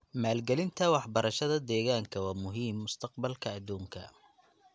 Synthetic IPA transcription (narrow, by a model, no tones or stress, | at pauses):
maːlɡɛlɪnt̪ʰɐwɑħbɐɾɐʃɐðɐd̪ɛːɣaːŋkʰɐwɑːmʊɦiːmːʊst̪ʰɐqbɐlkʰɐːd̪uːŋkʰɐ̰